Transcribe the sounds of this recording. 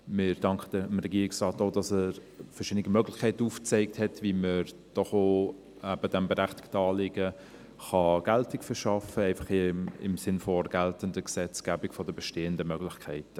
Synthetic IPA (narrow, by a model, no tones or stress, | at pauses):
mɪɾd̥ɑŋkχədəmɾɛɡiːɾɪksrɑːtoːdɑsəɾfəɾʃɪdnɪɡimœɡlɪxkʰɛɪtəuːft͡sɛɪk̚thɛtviməɾ | d̥ɔχoː | æb̥ədɛmbɛɾæχtɪ̥ktɑːlɪɡ̥ə | χɑɡ̥æltɪkfəɾʃɑfəɛɪfɑ̥χɪɪ̰msɪnfɔɡ̥æltəndəɡsɛt͡sɡ̥æːbɪkfɔdəbɛʃteːəndəmœɡlɪxkʰɛɪtə